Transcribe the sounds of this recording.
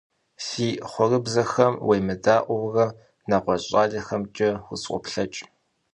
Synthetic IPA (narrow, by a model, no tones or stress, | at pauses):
siːχʷɔrɨbzɐxɐmwʔejmɨdaːʔʷɔwrɐ | naːqʷɔɕʼaːɮɐxɐmt͡ʃʼɐwʊsqʷʼɔ̰pɬɐt͡ʃʼ